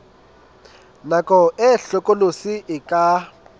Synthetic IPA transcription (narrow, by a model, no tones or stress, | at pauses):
nakʼɔʔɛɬɔkʼolosiʔɪkʼa